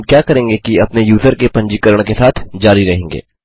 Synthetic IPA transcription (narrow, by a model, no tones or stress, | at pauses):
kjaːkɐɾẽːŋɡekiɐpnejuːzəɾkepɐ̃ɲd͡ʒikəɾəɽ̃kesaːt̪ʰd͡ʒaːɾiɾɐɦẽːŋɡḛː